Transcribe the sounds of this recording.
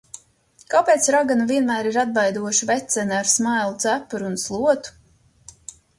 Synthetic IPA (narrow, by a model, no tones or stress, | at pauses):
kapeːt̪sɾaɡanuviɛnmæːɾiɾad̪̚bajd̪uɔʃivɛt̪sɛnaɾsmajlˠud̪zæpuɾunslˠuɔt̪u̥